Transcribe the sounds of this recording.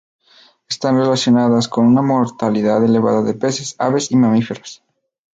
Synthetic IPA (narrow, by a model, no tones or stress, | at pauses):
est̪anre̞lasjo̞naðasko̞nunamoɾt̪aliðaðe̞le̞βa̰ðaðe̞pe̞sesa̰βe̞simamife̞ɾas